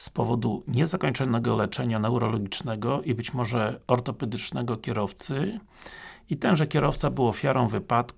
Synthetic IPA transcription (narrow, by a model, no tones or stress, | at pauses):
spɔvɔd̪uɲɛzakɔɲt͡ʂɔnɛɡɔlɛt͡ʂɛɲanɛwɾɔlɔɡʲit͡ʂnɛɡɔʔibɘt͡ɕmɔʐɛɔɾt̪ɔpɛd̪ɘt͡ʂnɛɡɔkʲɛɾɔft̪sɘ | it̪ɛnʐɛkʲɛɾɔft̪sabɘwɔfʲjaɾɔ̃w̃vɘpat̪k